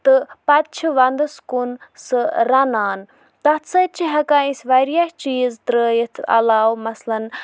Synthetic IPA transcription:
t̪ɨpɐt̪t͡ʃʰiʋɐnd̪ɨskunsɨɾɐnaːn | t̪ɐt̪t͡sɐt͡ʃʰiɦɐkaːĩsʋɐɾjaht͡ʃiːzt̪ɾəːjət̪ʰɐ̰laːwmɐslɐn

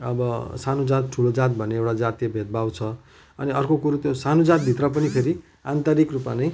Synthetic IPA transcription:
ʌ̰bʌsanud͡zat̪̚ʈʰulod͡zat̪̚bʱʌneewʈad͡zat̪ijʌbʱet̪̚bawt͡sʰʌ | ʌniʌrkokuɾut̪josanud͡zat̪̚bʱit̪rʌpʌnipʰeɾi | ant̪ʌɾikrupmanʌj

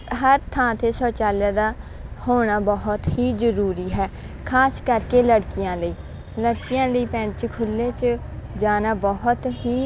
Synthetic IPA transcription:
ɦəɾt̪ʰãːt̪ʰeːsɔːt͡ʃaːljaːd̪aː | hoːɳ̃aːbɔɦʊt̪ɦiːzəɾuːɾiːɦɛː | kʰaːskəɾkeːləɽkɪjãːləiː | ləɽkɪjãːləiːpɛ̃ːɳɖt͡ʃkʰʊlːeːt͡ʃ | d͡ʒaːnaːbɔɦʊt̪ɦiː

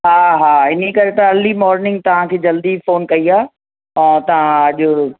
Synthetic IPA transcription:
ɦaːɦaːɪnekɐɾet̪ɐɐlimɔːɾnɪ̃ŋɡ̚t̪ɐʋ̤ãkʰeːd͡ʑɐld̪ifoːnkɐiaː | ɛ̃ːt̪ɐʋ̤ãɐʄʊ

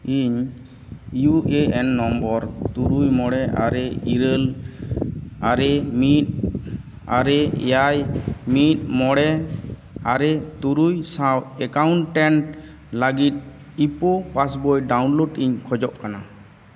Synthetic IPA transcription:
iɲ | juʔeɛnːɔmbɔɾt̪uɾujmɔɽɛa̰ɾɛiɾəl | aɾɛmit̪̚ | aɾɛjajmit̪̚mɔɽɛ | aɾɛt̪uɾujsawɛkawɳʈɛɳʈ | laɡit̪̚ | ipɔpasbɔjɖawnloɖiɲkʰɔd͡ʒɔʔkana

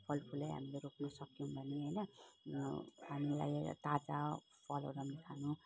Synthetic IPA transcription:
pʰʌlpʰulajɦa̰mileɾoknʌsʌkjũbʱʌneɦʌjnʌ | ɦamila̰jt̪ad͡za | pʰʌlo̰ɾʌmnet̪ʰanũ

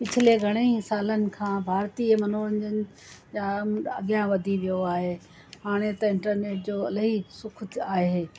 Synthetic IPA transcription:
pɪt͡ɕʰɪleɡʱɐɽ̃ẽsaːlənɪ̆kʰãːbʱaːɾt̪iːəmɐnoːɾənd͡ʑənɪ̆ | d͡ʑaɐɠijãʋɐd̪ʱiʋijoaːɦeː | haːɽ̃et̪ɐɪ̃ɳʈəɾneːʈ̚d͡ʑoːɐləɦisʊkʰʊaːɦeː

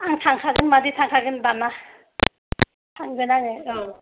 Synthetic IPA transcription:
aŋtʰaŋkʰaɡɯnmaditʰaŋkʰaɡɯnbana | tʰaŋɡɯnanɯɯ

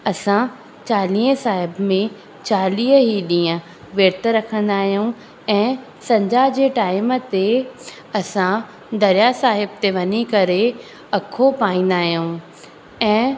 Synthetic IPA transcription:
ɐsã | t͡ɕaːlĩːɦəsaːɦɪbmẽ | t͡ɕaːliːəɦiɗĩːə̃ | ʋeːɾt̪əɾɐkʰə̃nd̪aːɦijũ | ɛ̃ː | sɐ̃ɲd͡ʑad͡ʑeːʈaːɪmət̪e | ɐsã | d̪ɐɾjasaːɦɪb̚t̪eʋɐɲikɐɾe | ɐkʰopaːĩːn̆d̪aːɦijũ | ɛ̃ː

